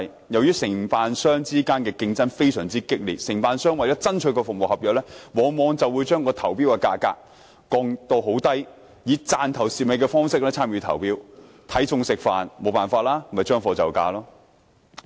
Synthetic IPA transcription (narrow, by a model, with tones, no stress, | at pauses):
j | jɐ˨wjyː˥sɪ˨˩ŋpaː˨nsœː˥ŋt͡siː˥kaː˥nkɛː˧kɪ˧ŋt͡sɐ˥nfe˥jsœː˨˩ŋt͡siː˥kɪ˥k̚lḭː˨t̚sɪ˨˩ŋpaː˨˧nsœː˥ŋwɐ˨jt͡sɔː˨˥t͡sɐ˥nt͡ʃʰɵ˨˧˥kɔː˧fʊ˨k̚mo˨˩hɐ˨p̚jœː˨k̚lɛː˥wɔː˨˧ŋmɔː˨˧ŋt͡sɐ˨wuː˨˧jt͡ʃœː˥ŋkɔː˧t̪ʰɐ˨˩wpiː˥wkɛː˧ka̰ː˧ka̰ː˧k̚ː | ɔː˧ŋt̪o˧wɦo˨˥wt̪ɐ˥j | jiː˨˧t͡saː˨nt̪ʰɐ˨˩wsi˨p̚me˨˧kɛː˧fɔː˥ŋsɪ˥k̚lɛː˥t͡sʰaː˥mjyː˨˧t̪ʰɐ̰˨˩wpiː˥w | t̪ʰɐ˨˥jt͡sʊ˧ŋsɪ˨k̚fa̰ː˨nmo˨˧wpaː˨nfaː˧t̚laː˥˨˩mɐ˨˩jt͡ʃœː˥ŋfɔː˧t͡sɐ˨wka̰ː˧lɔː˥